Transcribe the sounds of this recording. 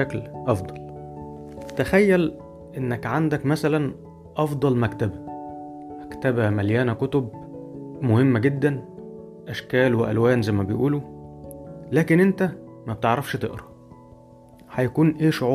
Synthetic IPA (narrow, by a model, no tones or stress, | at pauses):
æklʔɑfd̪ˤɑl | t̪æxæjːæl | ʔenːækʕand̪ækmæsælæn | ʔɑfd̪ˤɑlmækt̪æbæ | ʔækt̪æbæmæljæːnækot̪ob̚ | mohemːæɡed̪ːæn | ʔæʃkæːlweʔæ̰lwæːnzæjmæbejʔuːlu | læːkenʔent̪æmæb̚t̪eʕɾˤɑfʃt̪ḛʔɾˤɑ | ħæjækuːnʔeːʃoʕuː